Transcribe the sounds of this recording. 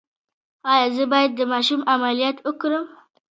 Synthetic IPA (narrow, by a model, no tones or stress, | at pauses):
ajazəbajad̪̚ːəmaʃumamalijat̪ukɾəm